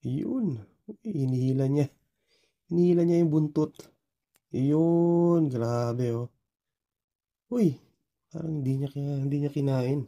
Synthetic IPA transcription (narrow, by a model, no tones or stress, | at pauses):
jon | ojhɪnihiːlaɲa | hɪnihiːlaɲajʊŋbʊnt̪ot̪ | ʔjonɡɾaːbɛo | ʔoj | pa̰ːɾɐŋhɪnd̪iɲakɪahɪnd̪iɲakɪnaːʔɪn